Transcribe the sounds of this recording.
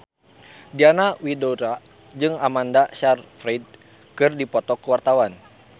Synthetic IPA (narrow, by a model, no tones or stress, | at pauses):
dianawidoɾa | d͡ʒɨŋamandaʃarfɾid̚ | kɨrdipɔt̪ɔkəwart̪awan